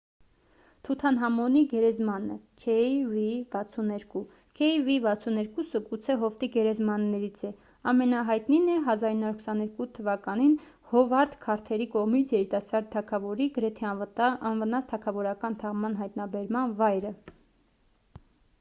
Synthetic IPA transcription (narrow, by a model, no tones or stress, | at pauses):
t̪ʰut̪ʰɑnɦɑmɔniɡɛɾɛzmɑnə̰kʰɛvivɑt͡sʰunɛɾku | kʰɛjvivɑt͡sʰunɛɾkusəkut͡sʰɛɦɔft̪iɡɛɾɛzmɑnːɛɾit͡sʰɛ | ɑmɛnɑɦɑjt̪ninɛɦɑzɑɾinːɑuɾkʰə̥sɑnɛɾkut̪ʰəvɑkɑnin | hɔvɑɾt̪kʰɑɾt̪ʰɛɾikɔʁmit͡sʰjɛɾit̪ɑsɑɾd̪̚ʰːɑkʰɑvɔɾiɡəɾɛt̪ʰɛɑnvənɑt͡st̪ʰɑkʰɑvɔɾɑkɑnt̪ʰɑʁmɑnɦɑjt̪nɑbɛɾmɑnvɑjɾə